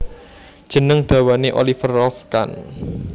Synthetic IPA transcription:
d̥ʒ̥ə̤nəŋd̪̥a̤waneʔo̰lifərɔfka̰n

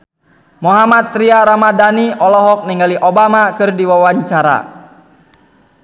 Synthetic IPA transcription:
mɔɦamat̪̚ːɾiaɾamadaniʔɔlɔɦɔk̚niŋɡaliʔɔbamakɨrdiwawaɲt͡ʃaɾa̰

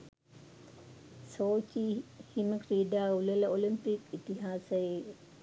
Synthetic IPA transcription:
soːt͡ʃihiməkɾiːɖaːulələolimpikit̪iɦaːsəje

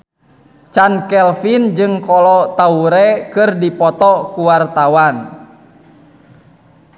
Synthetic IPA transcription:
t͡ʃankɛlfind͡ʒɨŋkɔlɔt̪auɾɛkɨrdipɔt̪ɔkuwart̪awan

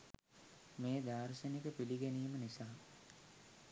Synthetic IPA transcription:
meːd̪aːɾsənikəpiliɡeniːmənisaː

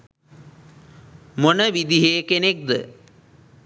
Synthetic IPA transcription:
monəʋid̪iɦeːkenek̚d̪ə̰

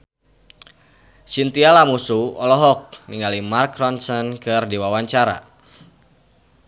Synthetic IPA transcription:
sint̪ialamusuɔlɔɦɔk̚niŋalimarkɾɔnsɔnkɨrdiwawaɲt͡ʃaɾa̰

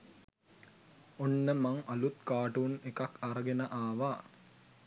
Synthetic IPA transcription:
onːəmaŋɐlut̪kaːʈuːnekɐkaɾəɡenəʔaːʋaː

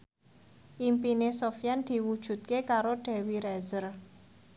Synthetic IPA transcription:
ʔimpinesofjand̪̥i̤wud̥ʒ̥ṳt̪̚kekaɾoɖ̥ɛ̤wiɾɛzər

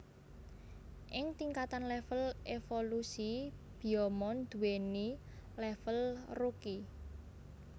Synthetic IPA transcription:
ʔɪŋt̪iŋkat̪anlɛfəlʔefolusib̥i̤ɔmɔnd̪̥ṳweni | lɛfəlruki

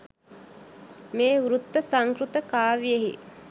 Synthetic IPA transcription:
meːuɾut̪ːəsaŋkɾut̪əkaːʋijeɦḭ

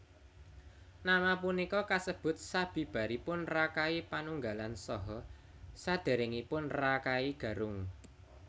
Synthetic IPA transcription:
namapunikɔkasəb̥ʊ̤t̪̚sab̥i̤b̥ä̤ɾipʊnrakaipanuŋɡalansɔɦɔ | sad̪̥e̤ɾɪŋipʊnrakaiɡ̥ä̤ɾʊŋ

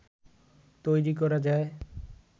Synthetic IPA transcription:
t̪ojɾik̬ɔɾad͡ʒaːe

